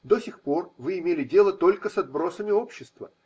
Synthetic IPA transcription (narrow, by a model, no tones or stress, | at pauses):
d̪osʲɪxpo̞rvɨɪmʲelʲɪdʲe̞lˠət̪o̞lʲkəsɐd̪̚bɾo̞səmʲɪo̞pɕːɪst̪və̰